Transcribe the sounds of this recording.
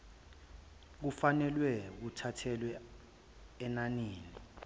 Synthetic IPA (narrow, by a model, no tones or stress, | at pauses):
k̬ufanɛlwɛk̬utʰatʰɛlwɛ | ɛnaniːni